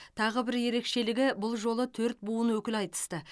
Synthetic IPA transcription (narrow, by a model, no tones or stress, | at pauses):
t̪ʰɑʁəbɪɾje̞ɾe̞kʃe̞lɪɡʲɪbʊlˠʒo̞lˠət̪ʰɵɾt̪̚buənwɵkʲɪlɑjt̪ə̥st̪ə